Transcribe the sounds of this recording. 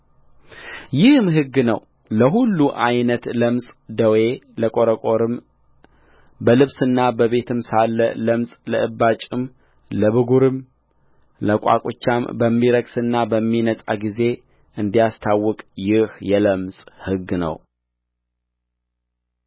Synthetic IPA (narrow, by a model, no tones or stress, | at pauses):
jɪhmɦɨɡːnə̰w | ləɦulːuʔajnət̪ləmsʼd̪əwe̞ləkʼoɾəkʼoɾɨm | bəlɨβsɨnːabəβe̞t̪ʰɨmsalːələmsʼləʔɨbːat͡ʃʼɪm | ləβɨɡuɾɨm | ləkʼa̰kʼot͡ʃːambəmːiɾəksɨnːabəmːinəsʼa̰ɡize̞ | ɨnd̪ijast̪ʰawːɔkʼjɪhjɛləmsʼhɨɡːnə̰w